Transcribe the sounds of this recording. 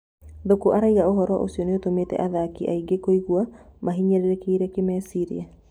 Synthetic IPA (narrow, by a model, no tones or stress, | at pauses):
dokoʔaɾaiɣaoɦɔɾwa̰ʔo̰siɔneotomeːtɛ̰ʔaðakiʔaiɡekoiɣuamaɦiɲɛɾeɾekeiɾɛkemɛsiɾḭa